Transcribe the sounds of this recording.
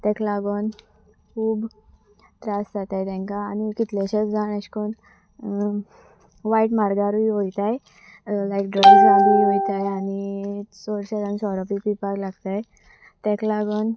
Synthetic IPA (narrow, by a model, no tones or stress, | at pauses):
t̪ɛ̃klaɡɔn | kʰuːb | t̪ɾasd͡zat̪ajt̪ɛ̃ŋkaːnikit̪leɕet͡sd͡zanəɕkon | ʋaiʈmaɾɡaɾuiojt̪aj | lajkɖɾəɡisaɾuojt̪ajanisoɾɕeɾansɔɾɔpipipaklaɡt̪aj | t̪ɛ̃klaɡɔn